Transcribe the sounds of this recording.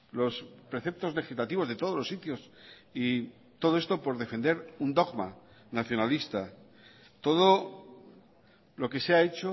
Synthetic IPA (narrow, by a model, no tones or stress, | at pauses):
lo̞spɾe̞θe̞p̚t̪o̞zle̞xizlat̪iβo̞zðe̞t̪o̞o̞lo̞sit̪jo̞si | t̪o̞ð̞oe̞st̪o̞po̞ɾðe̞fe̞nd̪e̞ɾund̪oɣma | naθjo̞nalist̪a | t̪o̞ðo | lo̞ke̞seaet͡ʃo